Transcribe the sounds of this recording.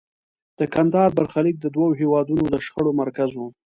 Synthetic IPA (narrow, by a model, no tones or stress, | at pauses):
d̪̥əkand̪ɑɾbaɾxalik̚d̪əd̪wawoɦewɑd̪unod̪əʃxəɽomaɾkazwu